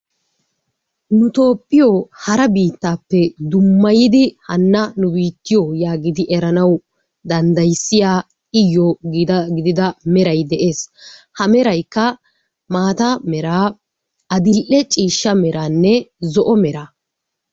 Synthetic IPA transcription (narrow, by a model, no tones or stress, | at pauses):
nʊt̪o̞ːpʼːɪjoːhɐɾɐbiːt̪ːaːpːɛd̪ʊmːɐjɪd̪ɪhɐnːɐnʊbiːt̪ːɪjoːjaːɡɪd̪ɪʔɛɾɐnɐw | d̪ɐnd̪ɐjsːɪjaː | ɪjːɔɡɪɡɪd̪ɪd̪ɐmɛɾɐjd̪ɛʔe̞ːshɐmɛɾɐjkːɐ | maːt̪ɐmɛɾaː | ɐd̪ɪlʔɛt͡ʃʼiːʃːɐmɛɾaːnːɛzɔʔɔmɛɾaː